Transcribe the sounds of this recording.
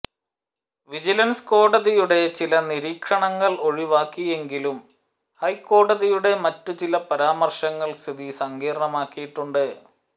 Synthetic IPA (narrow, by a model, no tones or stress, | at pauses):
ʋid͡ʑilɐnsko̞ːɽɐðijuɽe̞t͡ɕilɐniɾiːkʂɐɳɐŋːɐɭo̞ɻiʋaːkːije̞ŋɡilum | hɐjkːo̞ːɽɐðijuɽe̞mɐtːut͡ɕilɐpɐɾaːmɐrɕɐŋːɐɭst̪ʰiðisɐŋɡiːɾɳɐmaːkːijiʈːuɳɖɨ